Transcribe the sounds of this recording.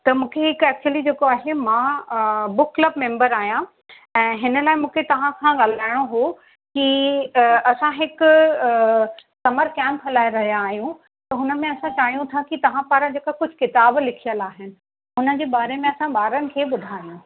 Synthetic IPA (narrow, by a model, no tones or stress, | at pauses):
t̪ɐmũːkʰeɦɪkɛːk̚t͡ɕuəlid͡ʑeːkoaːɦemãːbʊkːlɐbmẽːmbəɾaːɦijã | ɛ̃ːɦɪnəlaːɪmũːkʰet̪ɐʋ̤ãkʰãɠaːl̤aːɪɽ̃oɦo | ki | ɐsãɦɪkʊ | sɐməɾkɛ̃ːmpɦɐlaːeɾɐɦijãːɦijũ | t̪ɐɦʊnəmẽɐsãt͡ɕaːɦijũt̪ʰakit̪ɐʋ̤ãpaːɾad͡ʑeːkakʊd͡ʑʱʊkɪt̪aːblɪkʰijəlaːɦɪnɪ̆ | ɦʊnəd͡ʑeːɓaːɾemẽɐsãɓaːɾənɪ̆kʰeːɓʊd̪ʱaːijũ